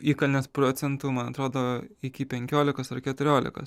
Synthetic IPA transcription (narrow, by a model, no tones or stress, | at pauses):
iːkɐlʲnʲeːspɾoːt̪sʲɛnt̪uːmɐnɐt̪ɾoːd̪oːɪkʲɪpʲɛŋʲkʲoːlʲɪkɐsɐrkʲɛt̪ʊɾʲoːlʲɪ̰kɐ̰s